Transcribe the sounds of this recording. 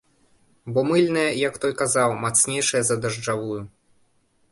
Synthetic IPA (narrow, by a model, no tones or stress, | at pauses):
bɔmɨlʲnɐjɐjɐkt̪ɔjkazawmat̪snʲejʂɐjɐzɐd̪ɐʐd͡ʐavuju